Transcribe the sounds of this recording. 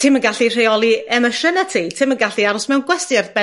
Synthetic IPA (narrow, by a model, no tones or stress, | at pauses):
tʰɪmənɡaɬir̥ejɔlˠiɛməʃənatʰitʰɪmənɡaɬiaɾʊsmɛwnɡwɛstɪrθbɛ